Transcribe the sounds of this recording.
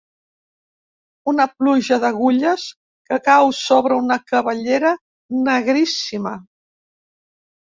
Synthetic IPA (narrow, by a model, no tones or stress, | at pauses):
unəpluʒəðəɣuʎəs | kəkawsoβɾəunəkəβəʎeɾə | nəɣɾisimə